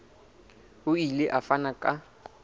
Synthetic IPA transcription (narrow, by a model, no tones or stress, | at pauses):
hʊileʔafanakʼa